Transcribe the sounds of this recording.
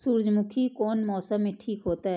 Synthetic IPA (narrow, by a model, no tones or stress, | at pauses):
suːɾd͡ʒmʊkʰikɔːnmɔːsəmːẽʈʰiːkɦoːt̪aɦɛ